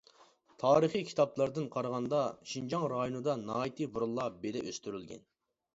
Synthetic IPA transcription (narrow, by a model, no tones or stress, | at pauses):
t̪ʰɑːɾəχikʲʰi̥t̪ʰɑplˠɑɾd̪ɨnqʰɑɾʁɑnd̪ɑʃind͡ʒɑŋɾɑjonɨd̪ɑnɑːit̪ʰɨbuɾlˠːɑbelɪ̰ʔø̰st̪yɾylɡʲɛ̰n